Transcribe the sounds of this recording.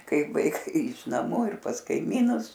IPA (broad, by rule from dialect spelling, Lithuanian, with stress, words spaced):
ˈkɐɪp ʋɐɪˈkɐɪ ɪʃ nɐˈmuː ɪr pɐs kɐɪˈmʲiːnʊs